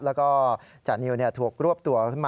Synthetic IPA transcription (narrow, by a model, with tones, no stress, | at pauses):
lɛː˦˥wkɔː˥˩t͡ɕaː˨˩ni˧wni˥˩ɐt̪ʰu˨˩ək̚ɾu˥˩əp̚t̪u˧ɐkʰɯ˥˩nmaː˧